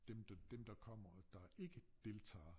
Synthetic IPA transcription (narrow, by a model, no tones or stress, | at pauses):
d̥emd̥d̥emd̥ɑ̈kʰɒ̽m̰ɐd̥ɑ̈e̝ɡ̥əd̥e̝lt͡sʰɑ̰̈ː